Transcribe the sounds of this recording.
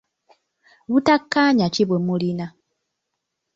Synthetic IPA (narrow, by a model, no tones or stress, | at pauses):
βutakːaɲaciβwemulina